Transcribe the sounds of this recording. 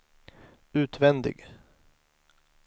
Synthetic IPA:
ʉ̟ːt̪vɛnd̪ɪ̰ɡ

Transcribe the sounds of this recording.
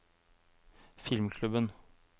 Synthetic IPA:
fɪlmkʰlʉbən

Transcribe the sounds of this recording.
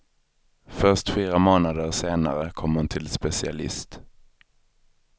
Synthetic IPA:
fœʂʈfiːɾamoːnad̪əɾʂeːna̰ɾəkʰɔmːhʊnt̪ʰɪlspɛsɪa̰lɪ̰st̪

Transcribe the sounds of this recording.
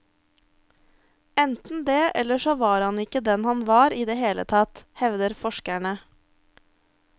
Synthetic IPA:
ɛnt̪n̩d̪eːʔɛ̰ləʃoːʋɑːɾhɑnɪkəd̪ɛnhɑnʋɑːɾiːd̪eːheːlə̰t̪ʰɑt̪hɛʋd̪əɾfɔʃkæɳə

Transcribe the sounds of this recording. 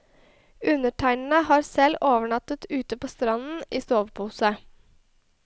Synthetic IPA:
ʉnəʈʰæɪnn̩əhɑːɾsɛloːʋəɳɑt̪ət̪ʉːt̪əpoːst̪ɾɑnn̩iːst̪oːʋpʰuːsə

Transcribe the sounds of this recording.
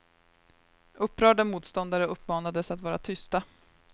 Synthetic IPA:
ʔɵpːɾœːɖamuːt̪st̪ɔnd̪aɾəɵpːmɑːnad̪əsat̪vɑːɾat̪ʰʏst̪a

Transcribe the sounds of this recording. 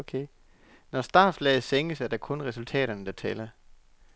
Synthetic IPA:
kʰe | nɒsd̥ɑ̥̈ːslɛːð̩ˠseŋ̰əsæɐd̥ɑ̈kʰɔ̽nʁɛsult͡sʰɛ̰ːɾ̥ɐnəd̥ɑ̈t͡sʰɛːlɐ

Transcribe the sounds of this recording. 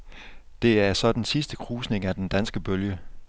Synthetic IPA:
d̥e̝æɐsɒ̽d̥ensisd̥əkʰʁuːsne̝ŋæd̥end̥ænsɡ̥əb̥øljə

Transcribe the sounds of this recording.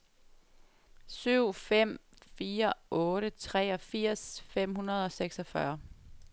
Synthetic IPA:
syʊ̰fem̰fiːɐʔɔ̽ːɾət͡sʰʁɛ̰ːɒ̽fiɐ̰sfem̰hunɐð̞ˠɒ̽seɡ̥sɒfɶɐ

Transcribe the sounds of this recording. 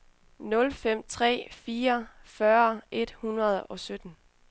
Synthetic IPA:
nɔ̽lfem̰t͡sʰʁɛ̰ːfiːɐfɶɐe̝d̥hunʁɐð̞̩ˠɒ̽sød̥n̩

